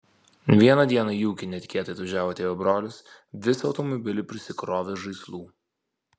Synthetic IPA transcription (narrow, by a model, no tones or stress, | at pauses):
ʋʲiɛnɐd̪ʲiɛnɐjuːkʲɪnʲɛt̪ʲkʲeɛt̪ɐɪt̪ɐʒʲæːʋoːt̪ʲeːʋʲɛbɾoːlʲʊs | ʋʲɪsʲɒʊt̪ɔmɔbʲɪlʲɪpʲɾʲɪsʲɪkɾoːʋʲeʒɐɪslˠuː